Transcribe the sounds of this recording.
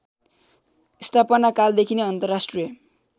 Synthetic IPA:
ist̪ʰapʌnakald̪ekʰineʌnt̪ʌrːasʈrijʌ

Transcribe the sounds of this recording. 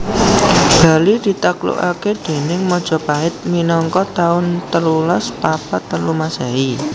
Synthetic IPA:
b̥a̤lid̪̥i̤t̪aklṵʔa̰ked̪̥e̤nɪŋmɔd̥ʒ̥ɔ̤paɪt̪̚minɔŋkɔt̪aʊnt̪əlulɔspapat̪ːəlumasai

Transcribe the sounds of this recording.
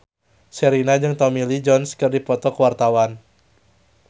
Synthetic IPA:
səɾinad͡ʒɨŋt̪ɔmilid͡ʒɔnskɨrdipɔt̪ɔkəwart̪awan

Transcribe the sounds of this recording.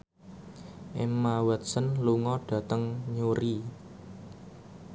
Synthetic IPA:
ʔemawət̪̚sənluŋɔɖ̥ä̤t̪əŋɲuɾi

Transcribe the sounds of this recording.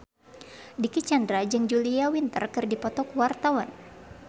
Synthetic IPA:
dikit͡ʃandɾad͡ʒɨŋd͡ʒuliawint̪ə̰rkɨrdipɔt̪ɔkwart̪awan

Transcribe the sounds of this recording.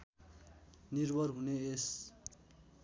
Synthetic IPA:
nirbʌrɦunees

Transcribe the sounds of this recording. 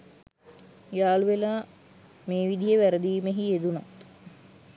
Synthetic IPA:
jaːluʋelaː | meːʋid̪ijeʋæɾəd̪iːmeɦied̪una

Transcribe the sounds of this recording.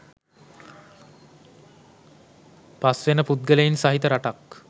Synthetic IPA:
pasʋenəput̪̚ɡələjinsaɦit̪əɾaʈak

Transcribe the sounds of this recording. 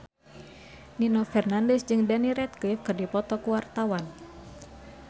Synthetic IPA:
ninɔfɛrnandɛsd͡ʒɨŋdaniɾɛt̪̚kifkɨrdipɔt̪ɔkuwart̪awan

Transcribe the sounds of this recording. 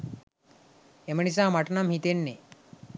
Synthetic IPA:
eməɳis̬aːmaʈnamhit̪enːe

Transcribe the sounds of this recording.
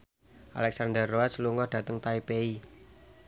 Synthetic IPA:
ʔa̰lɛksand̪ərːoasluŋɔhd̪̥ä̤t̪əŋt̪aipei

